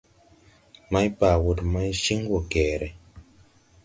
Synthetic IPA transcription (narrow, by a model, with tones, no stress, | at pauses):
ma˦jpa˨wu˨tma˦jʃi˦ŋ˦ɡo˨kɛː˨ɾɛ˨